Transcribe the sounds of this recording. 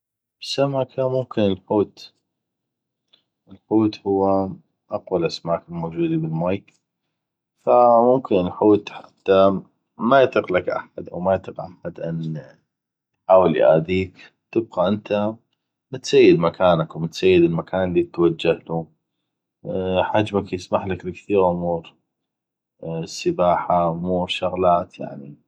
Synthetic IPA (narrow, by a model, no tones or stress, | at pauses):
b̥samʕakʰamʊmkɪnəlħuːt̪ | ʔəlħuːt̪hʊwːa | ʔaqwalʔasmaːkɪlmoːd͡ʒuːd̪ibɪlmaːjk | famʊmkɪnəlħuːt̪ħat̪ːa | majɪt̪ˤɨqlakʔa̰ħad̪ʔa̰wmajt̪ˤɨqʔaħad̪ʔan | ħaːwɪlj̰ʔa̰ːd̪iːk | t̪ɪb̚qaʔɪnt̪ʰa | mt̪sajːɪd̪makʰaːnakmɪt̪sajːɪd̪ɪlmakʰaːnlːit̪wad͡ʒːahlu | ħad͡ʒmakjɪsmaħlaklɪkθiːɾʕʊmuːɾ | səbaːħaʔʊmuːɾʃʊɣlaːt̪ja̰ʕni